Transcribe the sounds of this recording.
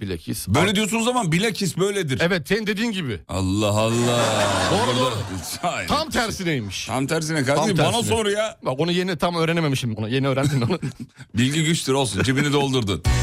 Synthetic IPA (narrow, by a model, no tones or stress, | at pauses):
bilʲacʰḭsbøjlʲed̪ijosunuzːamanbilʲacʰisbøjlʲɛd̪iɾɛvɛt̪senind̪e̞d̪iːnɟibɪa̰lˠːaɦalˠːaonɾasaamt̪ʰæɾsid̪ejmiʃʰamt̪ʰæɾs̬inɛkaɾabanasonɾajabako̞nuje̞nit̪ʰamøːɾenememiʃimonuje̞niøːɾænd̪inonubilʲɟiɟyt͡ʃt̪ʰiɾo̞lˠsund͡ʒibinid̪o̞lˠd̪uɾd̪ɯ